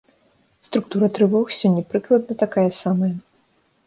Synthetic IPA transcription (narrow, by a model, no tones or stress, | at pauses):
st̪ɾuk̚t̪uɾɐt̪ɾɨvɔxsʲɔnʲːɐpɾɨklˠɐd̪̚nɐt̪akajɐsamɐjɐ